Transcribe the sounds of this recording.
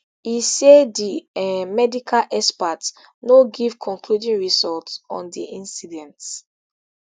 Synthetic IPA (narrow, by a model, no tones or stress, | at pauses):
isediɛmɛdikʰalʔɛspats | noɡivkʰɔ̃ŋkludĩnɹizɔltsɔ̰̃ndiʔĩnsidɛ̃nts